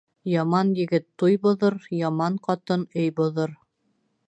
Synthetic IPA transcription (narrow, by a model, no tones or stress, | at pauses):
jɑmɑnjɘ̆ɡɘt̪ːujbŏðɤɾjɑmɑɴqɑt̪ɤnɵjbŏðɤɾ